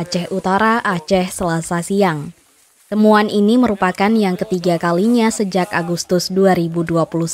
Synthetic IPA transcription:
t͡ʃɛhut̪aɾaʔːt͡ʃɛhsəlasasiaŋ | t̪əmuanʔiniməɾupakanjaŋkət̪iɡakaliɲasəd͡ʒakaɡust̪ʊsduaɾibuduapuluhs

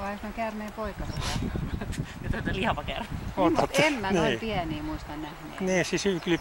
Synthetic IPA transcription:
ʋɑiosnokærmeːpoikɑseɑɑnɑet̪jet̪ot̪eliɑʋɑkæ̰rmeomuɑt̪ːemmæniiːpiæniːmuist̪ɑnnæhnḛːniːsisykli

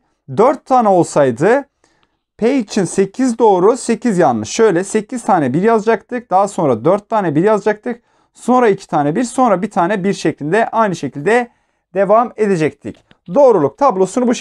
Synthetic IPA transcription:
d̪øɾt̪ʰːaːnɛo̞lˠsajd̪ɯ | pʰejit͡ʃʰinse̞cʰizd̪o̞ːɾusecʰizjanlˠɯʃʃø̞jlʲɛse̞cʰiz̥t̪ʰaːnɛbiɾjazad͡ʒak̚t̪ʰɯk̚d̪̥aɦaso̞nɾad̪øɾt̪ʰːaːnɛbiɾjazad͡ʒak̚t̪ʰɯk̚ | so̞nɾaicʰi̥t̪ʰaːnɛbiɾso̞nɾabit̪ʰaːnɛbiɾʃeclʲilʲd̪ɛʔajnɯʃecʰilʲd̪ɛ | d̪e̞vame̞d̪ed͡ʒɛct̪ʰḭc | d̪o̞ːɾulˠuk̚t̪ʰablˠo̞sunubuʃ

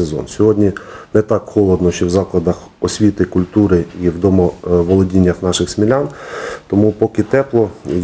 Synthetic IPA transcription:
ezɔ̰nsʲɔɦɔdʲnʲinɛt̪ɑkhɔlˠɔd̪nɔʃt͡ʃɔwzɑklˠɐd̪ɐx | ɔsʲʋʲit̪ɪkʊlʲt̪uɾɪiwd̪ɔmɔʋɔlˠɔdʲinʲːɐxnɑʃɪxsmʲilʲant̪ɔmupɔkɪt̪ɛplˠɔ

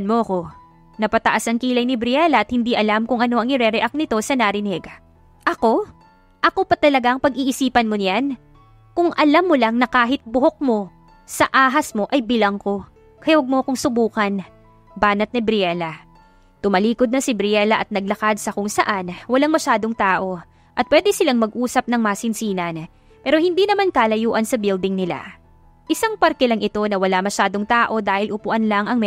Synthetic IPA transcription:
nmoʔɐko̞ | nɐpɐt̪ɐʔasɐŋkiːlɐjnɪbɾɪɛlɐʔɐt̪hɪnd̪iʔɐlamkʊŋʔɐno̞ʔɐŋɪɾɛɾɛʔak̚nɪt̪o̞sɐnaɾɪnɛɡ | ʔɐko̞ | ʔɐko̞pɐt̪ɐlɐɡaɐŋpɐɡʔiːʔɪsiːpɐnmonjan | kʊŋʔɐlamːolaŋnɐkaːɦɪt̪̚bʊɦok̚mo̞ | sɐʔaːɦɐsmo̞ʔɐjbɪlɐŋko̞ | kɐjɐwɐɡ̚moɐkʊŋsʊbuːkɐn | baːnɐt̪̚nɪbɾɪɛlɐ | t̪ʊmɐliːkod̪nɐsɪbɾɪɛlɐʔɐt̪̚nɐɡ̚lɐkad̪sɐkʊŋsɐʔanwɐlaŋmɐʃaːd̪oŋt̪aːʔo̞ | ʔɐt̪̚pwɛːd̪ɛsɪlaŋmɐɡ̚ʔuːsɐp̚nɐŋmaːsɪnsiːnɐn | pɛːɾo̞hɪnd̪inɐmankaːlɐjuːʔɐnsɐbild̪ɪŋnɪla̰ | ʔɪsaŋpɐɾkɛlɐŋʔɪt̪o̞nɐwɐlamɐʃaːd̪o̞ŋt̪aːʔo̞d̪aːhɪlʔʊpʊʔɐnlaŋɐŋm

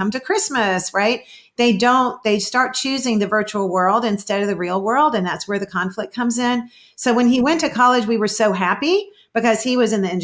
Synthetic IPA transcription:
ʌ̃mtɨkʰɹ̥ɪsmɨsɹaɪt̪̚ | ðeɪdõʊ̃nðeɪstɑɹt̚t͡ʃʰʉzɪ̃ŋðɨvɜ˞t͡ʃul̩ˠwɜ˞lˠdɨ̃nstɛɾʌvðɨɹilˠwɜ˞lˠdɨ̃nðætswə˞ðɨkʰɑ̃ɱflɨk̚kʰʌ̃mzɪ̃n | soʊwɨ̃niwɛ̃ntʰɨkʰɑlˠɨd͡ʒwiwə˞soʊɦæpi | b̥ɨkʌz̥iwʌzɨ̃nðiɨ̃n

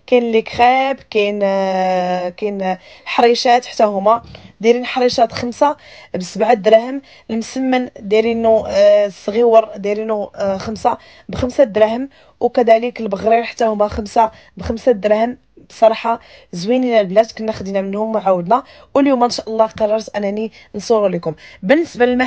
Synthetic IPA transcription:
kænlikxæbkæn | kæn | lħɑɾˤiʃæt̪ħt̪ːæhʊmæd̪ælinħɑɾˤiʃæt̪xəmsabsəbʕad̪ɾæhəm | lmsəmːənd̪ilinusɣiwəɾˤd̪ilinuxəmsa | bxəmsæd̪ɾæhəm | wkæd̪æləklbəɣɾiɾħt̪ːæhʊmæmsa | bxəmsad̪ɾæhəm | bsˤɑɾˤɑħɑzwininælblæd̪kʊnːæxd̪inæmənhʊmːʕawəd̪næ | wʔəljumæʔənʃæʔəlˤːɑqɑrˤːɑɾˤt̪ʔænæni | nsˤuɾulikʊmbənːəsbaləlmæ

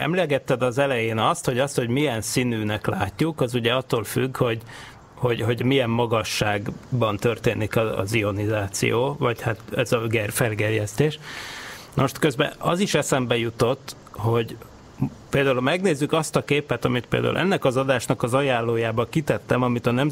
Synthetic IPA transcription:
ɛ̰mlɛɡɛt̪ːɛd̪ɒzɛlɛjeːnɒst̪ho̞ɟɒst̪ho̞ɟmijɛnsinyːnɛkla̰ːcːukɒzuɟɛɒt̪ːoːlfyɡho̞ɟ | ho̞ɟɦo̞ɟmijɛmːɒɡɒʃːaːɡbɒnt̪ørt̪eːnikɒɒ̰zio̞nizaːt̪sḭjoːvɒchat̪ɛzɒɡɛrfɛlɡɛrjɛst̪eːʃ | nmoʃt̪køzbɛ̰ʔɒ̰ziʃɛsɛmbɛjut̪o̞t̪ː | ho̞ɟ | peːld̪aːulmɛɡneːzːykɒst̪ɒkeːpɛt̪ɒmit̪̚pḛːld̪a̰ṵlʔɛ̰nːɛkɒzɒd̪aːʃnɒkɒzɒjaːlːoːjaːbɒkit̪ɛt̪ːɛmɒmit̪ɒnɛm

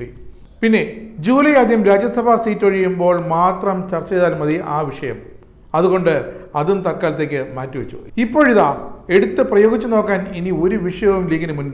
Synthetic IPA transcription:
i | pinːe̞d͡ʑuːlɐjaːd̪ʱjɐmɾaːd͡ʑjɐsɐbʱaːsiːtːɐɻijumbo̞ːɭmaːt̪rɐmt͡ɕɐrt͡ɕːɐeðaːlmɐðiʔaːʋiʂɐjɐm | ɐðuɣo̞ɳɖɨɐðumt̪ɐkːaːlɐt̪ːeːkʲːɨmaːtːuʋɐt͡ɕːṵipːo̞ːɻiðaːe̞ɽut̪ːɨprɐjo̞ːɡit͡ɕːɨno̞ːkːaːninio̞ɾuʋiʂɐjɐʋumliːkɐnɨmunb

